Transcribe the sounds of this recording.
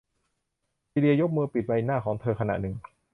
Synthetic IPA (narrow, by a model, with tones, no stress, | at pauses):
siː˧li˧ɐjo˦˥k̚mɯː˧pi˨˩t̪̚wa˧jnaː˥˩kʰɔː˩˦ŋt̪ʰɤː˧kʰa˧na̰˨˩ʔnɯ˨˩ŋ